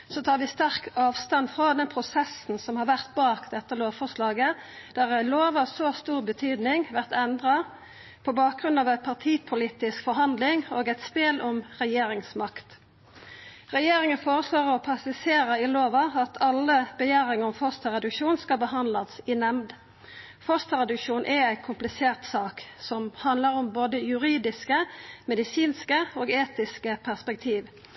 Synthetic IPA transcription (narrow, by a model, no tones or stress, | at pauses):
sɔt̪ʰɑːɾʋɪst̪æʁkɑːʋst̪ɑnfʁɑd̪ɛnpʰʁʊsɛsn̩sɔmhɑʁʋæʁt̪̚bɑːkd̪ɛt̪ːəloːʋfɔʁʂlɑːɡə | d̪̥æʁæloːʋɑsost̪uːʁbət̪ʰyːd̪nɪŋʋæʁt̪ɛnd̪ʁɑ | pʰɔbɑːk̚ʁʉnɑːʋæɪpʰɑʁt̪ʰiːpʰʊliːt̪ɪskfɔɾɦɑnd̪lɪŋoːɡæɪt̪spɪlʔɔmʁɛjeːɾɪŋsmɑkt̪ | ʁɛjeːɾɪŋənfoːʁəsloːʁəʁɔpʰɑsɪseːɾəɪloːʋɑɑt̪ʰɑlːəbəjæːʁɪŋəɔmfɔst̪əʁɛd̪ʉkʃuːnskɑbəɦɑnd̪lɑsɪnɛmd̪ | fɔst̪əʁɛd̪ʉkʃuːnʔɛæɪkʰʊmplɪseːʁt̪sɑːksɔmhɑnd̪ləʁɔmboːd̪əjʉɾiːd̪ɪskəmɛd̪ɪsiːnskəoːɡeːt̪ɪskəpʰæʁspɛk̚t̪ʰiːʋ